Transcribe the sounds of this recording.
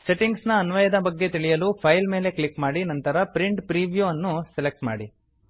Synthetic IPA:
se̞ʈiŋɡsnɐːnʋɐjɐd̪ɐbɐɡːe̞t̪iɭijɐluːpʰɐjlme̞ːle̞kɭikmaːɽinɐnt̪ɐɾɐpɾiɳʈpɾiːʋjuɐnːuselek̚ʈma̰ːɽi

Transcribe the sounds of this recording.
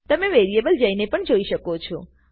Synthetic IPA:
t̪əmeʋeɾiebəld͡ʒəinepəɳd͡ʒoiʃəkot͡ʃʰo

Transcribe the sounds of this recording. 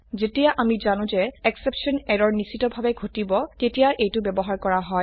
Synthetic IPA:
zetijaʔamizanʊ̃zɛɛksepsɔnɛɹɔɹnisitɔbʱabɛɡʱotibɔtetijaʔejtʊbɛbɔɦaɹkɔɹaɦɔj

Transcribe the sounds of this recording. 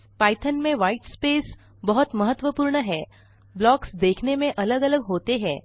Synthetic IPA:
pajʈ̪ʰənmẽʋaiʈspes | bəɦut̪məɦət̪ːʋəpuːɾɳəɦɛ | blɔksd̪ekʰnemẽʔələɡələɡɦot̪eɦɛ

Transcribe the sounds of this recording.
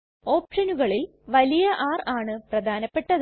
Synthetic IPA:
o̞ːp̚ʂɐnuɣɐɭil | ʋɐlijɐʔaːraːɳɨprɐd̪ʱaːnɐpːe̞ʈːɐð

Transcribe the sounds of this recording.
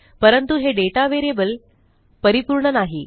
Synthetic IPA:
pəɾənt̪uɦeɖeʈaʋeɾebəl | pəɾipuɾɳənaɦi

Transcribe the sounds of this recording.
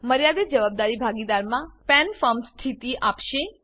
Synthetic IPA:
məɾjad̪ed͡ʒəʋab̚d̪aɾibʱaɡid̪aɾmãpɛnfəmst̪ʰit̪iʔapʃe

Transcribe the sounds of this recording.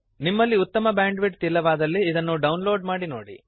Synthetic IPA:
nimːɐlːiut̪ːɐmɐbaːɳɖʋiʈ̚t̪ilːɐʋaːd̪ɐlːiːd̪ɐnːuɖɐwnloːɖmaːɽino̰ːɽḭ

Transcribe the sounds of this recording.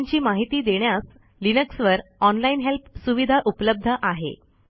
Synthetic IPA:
ɲt͡ɕiːmaɦit̪iːd̪eɳjas | linəksʋəɾɔnlainɦelpsuʋid̪ʱaʔupləb̚d̪ʱəʔaɦḛ

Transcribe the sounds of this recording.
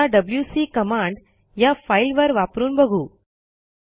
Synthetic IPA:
aɖəbljusiːkəmãɳɖ | jafailʋəɾʋapɾuːnbəɡʱuː

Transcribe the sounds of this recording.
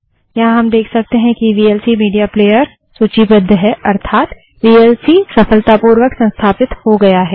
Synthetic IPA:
jɐɦãɦɐmd̪eːkʰsɐk̚t̪eɦɛ̃kiʋiːelsimiːɖijapleːjəɾ | suːt͡ʃibɐd̪ʱːəɦɛʔɐɾt̪ʰaːt̪ | ʋiːelsisɐfəlt̪apuːɾʋəksɐ̃nst̪ʰaːpɪt̪hoɡɐjaɦɛː

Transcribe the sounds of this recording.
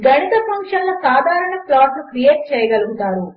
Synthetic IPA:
ɡɐnit̪ɐpɐŋkʂɐnlɐsaːd̪ʱaːɾɐɳɐplaːʈnukɾijeːʈ̚t͡ʃɛːjɐɡɐluɡut̪aːɾu

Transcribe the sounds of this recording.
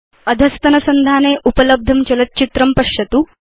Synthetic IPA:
ɐd̪ʱɐst̪ɐnɐsɐnd̪ʱaːneːʔupɐləb̚d̪ʱɐmt͡ɕɐlɐt̪̚t͡ɕit̪ɾɐmpɐɕjɐt̪uː

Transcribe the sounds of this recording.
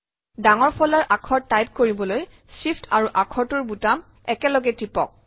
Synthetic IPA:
daŋɔɹpʰɔlaɹʔakʰɔɹajp̚koɹibɔloj | sipʰtʰaɹuʔakʰɔɹtʊɹbutam | ɛkɛlɔɡɛtipɔ̰k̚

